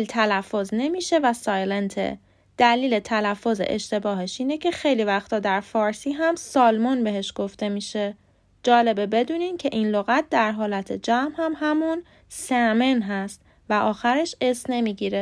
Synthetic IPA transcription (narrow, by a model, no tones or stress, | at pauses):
lt̪ʰælæfːozne̞miːʃe̞væsɒːjlent̪ʰḛ | d̪̥æliːlet̪ʰælæfːozḛʔḛʃt̪e̞bɒːɦe̞ʃiːne̞cʰe̞xe̞jliːvæxt̪ʰɒːd̪æɾfɒːɾsiːɦæmsɒːlmɒnbe̞ɦe̞ʃɡ̥o̞ft̪e̞miːʃe̞ | d͡ʒɒːle̞bebe̞d̪uːnincʰe̞ʔinloɣæt̪̚ʰd̪æɾɦɒːlæt̪ʰe̞d͡ʒæmhæmhæmun | sæme̞nɦæst̪ | væʔɒːxæɾe̞ʃe̞sne̞miːɟiːɾe̞